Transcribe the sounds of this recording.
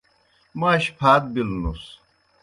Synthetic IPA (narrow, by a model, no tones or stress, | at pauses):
maɕpʰaːt̪̚bilnṵs